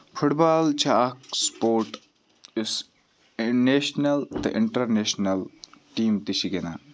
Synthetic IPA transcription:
fʰuʈbaːlt͡ʃʰaːkspoːɾʈ | ɪs | neːʃnɐlt̪ɐ̰ʔɪɳʈɐɾneːʃnɐlʈiːmt̪iʃiɡena̰ː

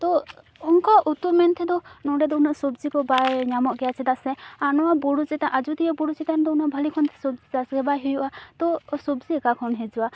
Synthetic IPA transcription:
t̪ɔ | uŋkɔʔut̪umɛnt̪ʰɛd̪ɔnɔɖɛd̪ɔunasubzikɔbajɲamɔʔɡɛjat͡ʃʰɛd̪asɛanɔwaboɽut͡ʃɛt̪aʔad͡ʒut̪ijɔboɽut͡ʃɛt̪and̪ɔunabʱalikʰɔnt̪ʰɛ̥subzid̪asɡɛbajɦejuʔat̪ɔsubzikakʰɔnɦed͡ʒua

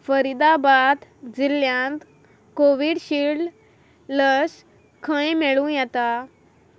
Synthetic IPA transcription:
fəɾid̪abad̪d͡ziljãnt̪ | koʋiɽɕiɽɖ | ləs | kʰə̃jmeɭũjɛt̪a

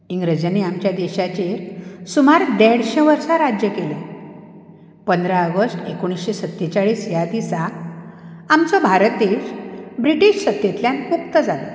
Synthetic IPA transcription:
iŋɡɾəd͡ʑaneamt͡ɕjad̪eɕat͡ɕeɾsumaɾd̪eɽɕẽʋəɾsaɾad͡ʑjəkele | pənd̪ɾaəɡəsʈekoɽ̃isɕesət̪ːet͡ɕaɭiːsjat̪isa | amt͡sɔbʱaɾt̪eɕbɾiʈiɕsət̪jet̪ljãnmukt̪əd͡zalɔ

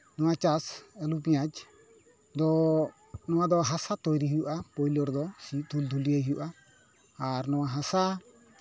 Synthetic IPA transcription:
nɔwat͡ʃasɛlupĩjad͡ʒ | d̪ɔ | nɔ̃wad̪ɔɦasat̪ɔjɾiɦijuʔapɔjlɔɾd̪ɔsit̪ʰuld̪ʱulijaɦijuʔaː | ɾnɔwaɦasa

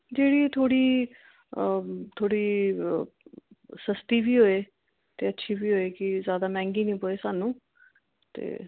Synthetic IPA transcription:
d͡ʒeːɽiːt̪ʰoːɽiː | t̪ʰoːɽiː | səst̪iːbʱiːɦoːeː | t̪eːətːʃʰiːbiːɦoːeːkɪzjaːd̪aːmɛ̃ːŋɡiːnĩːpoːeːsaːnũː | t̪ḛː

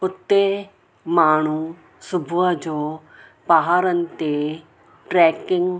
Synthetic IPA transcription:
ʊt̪ːeː | maːɳ̃uː | sʊbʱuad͡ʒoː | paːɦaːɾənt̪e | ʈɾɛːkɪŋɡ

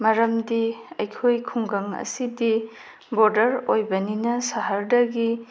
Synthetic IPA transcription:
mɐɾɐmdiɐjkʰojkʰuŋɡɐŋɐ̰sidi | boɾdɐɾojbɐninɐsɐɦɐɾdɐɡi

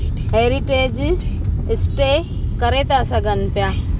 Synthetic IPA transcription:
ɦeːɾiʈed͡ʒ | ɪsʈe | kəɾet̪asaɡənpja

